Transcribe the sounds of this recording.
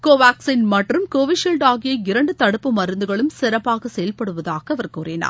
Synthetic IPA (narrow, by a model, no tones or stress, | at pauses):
koːʋaːksinmɐʈrɯmkoːʋɪʃɛlɖaːɣɪjɐɪɪɾɐɳɖɯt̪ɐɽɯpːɯmɐɾɯnd̪ɯɣɐɭɯmsɪɾɐpːaːɣɐsɛjɐlpɐɽɯʋɐðaːɣɐʋɐɾkuːɾɪna̰ːɾ